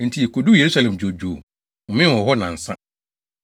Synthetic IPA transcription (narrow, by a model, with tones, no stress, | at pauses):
n̩˨tʰi˨e˨kʰo˨du˦je˨ɾu˦sa˨lɛ̃˨md͡ʑᶣo˨d͡ʑᶣu˨o˨ | mɪ̃˦nwɔ˨ɦɔ˦nã˨n̩˨sã̰˦